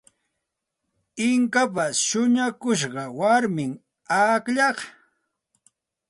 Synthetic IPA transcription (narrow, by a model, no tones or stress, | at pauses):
ɪŋkap̬asʃʊɲakʊʃ̬ɢɑwaɾmɪŋ | akʎɑχ